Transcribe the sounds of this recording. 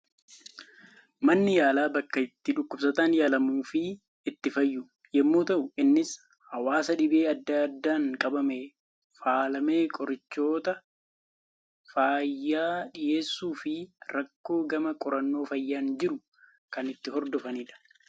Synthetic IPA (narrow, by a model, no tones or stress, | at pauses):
mɐnːɪjaːlaːbɐkːɐɪt̪ːɪᶑʊkːʊbsɐt̪aːnjaːlɐmuːfɪ | ɪt̪ːɪfɐjːʊ | jɛmːoːt̪ɐʔʊɪnːɪs | hɐwaːsɐᶑɪbe̞ːɐd̪ːad̪ːaːŋkʼɐbɐme | faːlɐme̞ːkʼɔɾɪt͡ʃːo̞ːt̪ɐ | faːjːaːᶑɪjeːsːuːfɪɾɐkːo̞ːɡɐmɐkʼɔɾɐnːo̞ːfɐjːaːnd͡ʒɪɾʊ | kɐnɪt̪ːɪɦɔɾd̪ɔfɐniːᶑɐ̥